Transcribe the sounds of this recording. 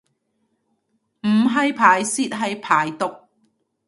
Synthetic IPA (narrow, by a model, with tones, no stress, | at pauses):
m̩˨˩ɦɐ˨jpʰaː˨˩jsiː˧˥t̚ɦɐ˨jpʰaː˨˦jt̪ʊ˨k̚